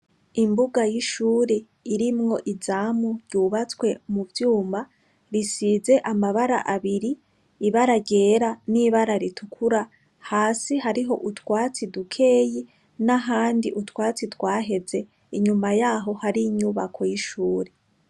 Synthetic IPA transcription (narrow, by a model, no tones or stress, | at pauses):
imbuɡajiʃuːɾe̞ | iɾimŋo̞ʔizaːmuɾɟuːβat͡skwe̞muvjuːma | ɾisize̞ʔamaβaɾa̰ʔaβiɾiː | βaɾaɟe̞ːɾaniβaɾaɾitʰukʰuɾa | haːsiɦaɾiɦo̞̰ʔutwaːt͡sidukʰe̞ːji | naɦaːndiʔutwaːt͡sitwaːɦe̞ze̞ | iɲumajaɦo̞haɾiːɲuβakʰo̞jiʃuːɾe̞